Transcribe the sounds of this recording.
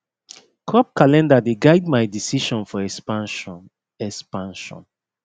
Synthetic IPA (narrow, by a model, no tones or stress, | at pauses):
kʰɹɔp̚kalɛ̃ndadeɡaɪd̚majdisiʃɔ̃nfɔɛspãnʃɔ | ɛkspãnʃɔ̰̃n